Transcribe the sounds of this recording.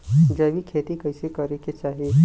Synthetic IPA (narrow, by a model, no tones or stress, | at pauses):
d͡ʒɐːbʱikʰeːt̪ikɐɪsekɐɾeket͡ʃaːɦie